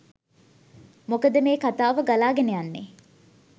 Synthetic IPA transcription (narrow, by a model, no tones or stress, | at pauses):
mokəd̪əmeːkat̪aːʋəɡalaːɡenejanːe